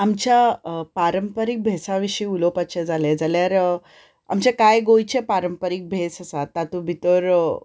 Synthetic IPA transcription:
amt͡ɕjapaɾəmpəɾik̚bʱesaʋiɕiːulopat͡ɕed͡zaled͡zaljaɾ | a̰mt͡ɕekajɡojt͡ɕepaɾəmpəɾik̚bʱesəsat̪ːat̪ũbʱit̪oɾ

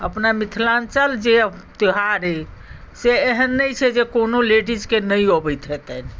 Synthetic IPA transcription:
əpnamit̪ʰlant͡ʃəld͡ʒet̪iɦaɾiseːɦənːəjt͡ʃʰɛd͡ʒekonoleɖid͡ʒkenəjɦobɛjt̪ɦet̪ɛn

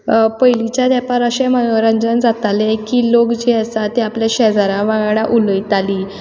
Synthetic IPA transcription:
pəjlit͡ɕjad̪ɛpaɾəɕemənoɾə̃ɲd͡ʑənd͡zat̪alekiːlokd͡ʑiəsat̪eapljaɕɛd͡zaɾãʋãɡɽaʔuləjt̪aliː

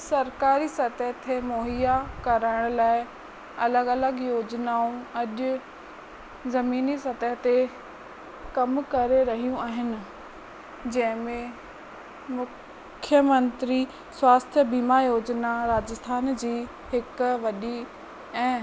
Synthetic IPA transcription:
sɐɾkaːɾisɐt̪əɦt̪ʰemoːɦijakɐɾaːɪɽ̃laːɪ | ɐləɡɐləɡjoːd͡ʑnaũɐʄʊ | zɐmiːnisɐt̪əɦt̪e | kɐmkɐɾeɾɐɦijũaːɦɪnɪ̆ | d͡ʑɐ̃ɦɪ̃mẽ | mʊ | kʰjəmɐ̃nt̪ɾi | swaːst̪ʰjəbiːmajoːd͡ʑnaɾaːd͡ʑəst̪ʰaːnd͡ʑiː | hɪkʋɐɗi | ɛ̃ː

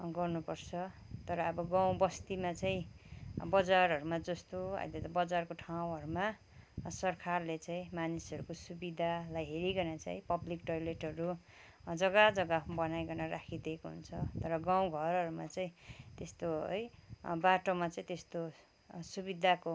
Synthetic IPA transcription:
ɡʌrnupʌrt͡sʰʌt̪ʌɾʌːbʌɡãw̃bʌst̪imat͡saĩbʌd͡zaɾʌɾumad͡zʌst̪oʌ̰jiletbʌd͡zarkoʈʰaw̃ɦʌɾuma | sʌrkʰarlet͡sãĩmanisʌɾukosubid̪ʱalajɦeɾiɡʌnat͡sa̰ĩpʌblikʈʌjleʈɦʌɾu | d͡zʌɡad͡zʌɡabʌnajɡʌnʌrakʰid̪ekoɦṵnt͡sʰʌt̪ʌɾʌɡãw̃ɡʱʌɾʌɾumat͡saĩt̪est̪oɦʌ̰jbaʈomat͡sãĩt̪est̪o | subid̪ʱako

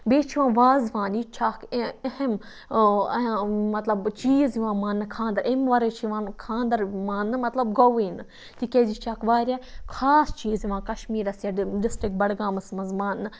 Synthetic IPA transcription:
beːt͡ʃʰiʋãːʋaːzʋãːndit͡ʃʰaːkɐhem | mɐt̪lɐbt͡ʃiːzjiʋãːmãːnːɨkʰãːnd̪ɐɾʔemʋɐɾeːt͡ʃʰiʋãːnkʰãːnd̪ɐɾʋãːnːɨmɐt̪lɐbɡoʋiːnɨ | t̪ikʲeːd͡ʒit͡ʃʰaːkʋaːɾʲjaːkʰaːst͡ʃiːziʋãːkɐʃmiːɾɐsjaːɖɪsʈɾɪk̚bɐɽɡaːmɐsmɐzmãːnːɨ

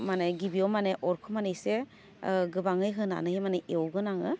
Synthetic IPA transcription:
maneɡibiɔmaneʔɔɾkʰɯmanejse | ɡɯbaŋɯjɦɯna̰nɯhimaneewɡɯnaŋɯ

